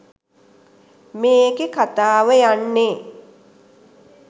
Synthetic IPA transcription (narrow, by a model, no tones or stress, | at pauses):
meːkekat̪aːʋəjanːeː